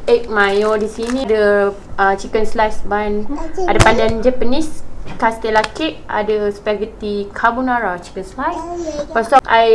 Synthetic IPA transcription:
ek̚mãjɔdisinĩdə | ət͡ʃikənslasbanadapandand͡ʒapənĩskast̪əlakɪʔa̰dəspɛkɡt̪ikʰabunaɾat͡ʃi̥kənslaspasɔkaj

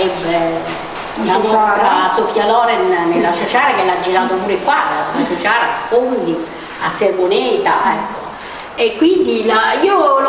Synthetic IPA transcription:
ɛbːe | lanɔtst̪ɾasofjalɔːɾɛnːelːasot͡ʃaːɾak̟elːad͡ʒːiɾaːt̪opuːɾekːwadalasot͡ʃaːɾafond̪i | a̰sːervonɛːt̪aɛkːo̥ | ekːwind̪ilaiːo

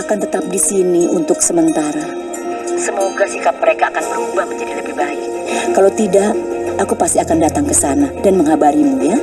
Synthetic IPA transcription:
akant̪ət̪ap̚disiniunt̪ʊksəmənt̪aɾa | səmoɡasihkap̚məɾekaːkanbəɾubahməɲd͡ʒadiləbihbaɪk | kalot̪idaʔakupast̪iakandat̪aŋkəsanadanməŋɦabaɾimuja

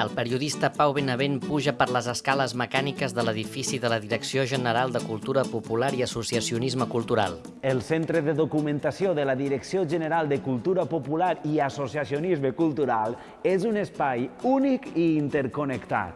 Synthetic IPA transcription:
əlˠpəɾiuðist̪əpawβenəβenpuʒəpəɾləzəskaləzməkanikəzðələðifisiðələðiɾəksioʒənəɾalˠd̪əkulˠt̪uɾəpupulaɾiəsusəsiunizməkulˠt̪uɾa̰lˠ | əlˠsent̪ɾəðəðukumənt̪asioðələðiɾəksioʒənəɾalˠd̪əkulˠt̪uɾəpupulaɾiəsosiasionizməkulˠt̪uɾalˠ | ezunəspajunikiːnt̪əɾkonəkt̪a̰t̪

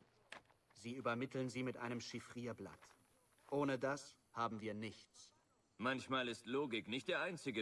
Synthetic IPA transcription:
ziːyːbɐmɪtʰl̩nziːmɪtʔa̰ɪnəmʃɪfʁ̥iːɐbla̰t | ʔoːnədas | haːbm̩viːɐnɪçt͡s | mançmaːlɪstloːɡɪknɪçt̚d̥eːɐʔaɪnt͡sɪɡə

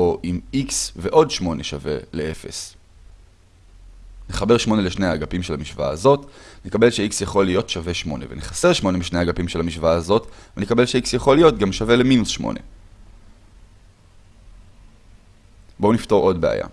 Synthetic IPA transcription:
oʔimiksveʔo̞dʃmo̞ne̞ʃave̞̰lee̞fe̞̰s | neχabe̞ʁʃmo̞ne̞leʃne̞aːɡapimʃelamiʃva̰ːzo̞tnekabe̞lʃeiksjaχo̞lijo̞tʃave̞ʃmo̞̰ne̞̰veneχaseʁʃmo̞nemiʃne̞aɡapimʃelamiʃvaːzo̞tvenekabe̞lʃeiksjaχo̞lijo̞tɡamʃave̞leminusʃmo̰ne̞̰ | bo̞unifto̞ʁo̞dbea̰ja̰

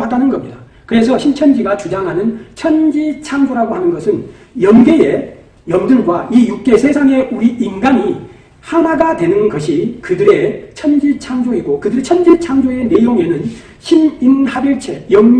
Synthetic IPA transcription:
ɦadanɯnɡʌmɲida | kɯɾe̞sʰʌɕʰint͡ɕʰʌnd͡ʑiɡat͡ɕud͡ʑaŋɦanɯnt͡ɕʰʌnd͡ʑit͡ɕʰaŋd͡ʑoɾaɡohanɯnɡʌsʰɯn | jʌnɡe̞e | jʌmdɯɭɡwaijuk̚k͈e̞sʰe̞sʰaŋe̞uɾiinɡaɲi | hanaɡatwe̞nɯnɡʌɕ̬ʰikɯdɯɾe̞t͡ɕʰʌnd͡ʑit͡ɕʰaŋd͡ʑoɦiɡokɯdɯɾet͡ɕʰʌnd͡ʑit͡ɕʰaŋd͡ʑoe̞ne̞joŋe̞nɯn | ɕʰiminhabjʌɭt͡ɕʰe̞jʌŋ

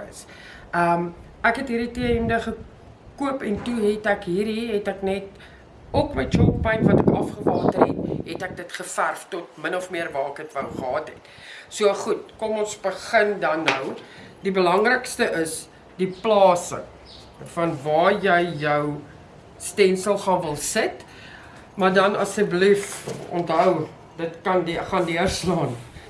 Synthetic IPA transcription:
ə̰s | ʔəm | ækɦɛtɦiːɾitiəəndəχə | kuəpɛntuɦɛtækɦiːɾiɦɛtæknɛt̚ | ɔkməjt͡ʃɔppəjnvɐtækɐfχəvɑːtərɦɛ̰t̚ɦɛtæk̚dətχəfærftɔt̚mənɔfmiərvɑːkətvɐlˠχəɦɑːtɦɛ̰t | suəχutkɔmɔnsbəχəndɐnːəwdibəlɐŋrəkstəʔəs | diplɑːsə̰ | fɐnvɑːjəjjəw | stɛnsəlˠχɑːnvəlˠsət | mɐrdɐnɐsəjblifɔ̰ntɦœw | dətkɐndχɐndiərslɑːn

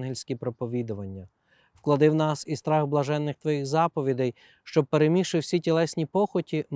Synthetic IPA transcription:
ɦilʲsʲkʲipɾɔpɔʋʲid̪ʊʋɐnʲːɐ | w̥klˠɐd̪ɪwnɑsist̪ɾɑɣblˠɐʒɛnːɪxt̪ʋɔjixzɑpɔʋʲid̪ɛj | ʃt͡ʃɔb̚peɾemʲiʃɪwsʲitʲilˠɛsʲnʲipɔxɔtʲin

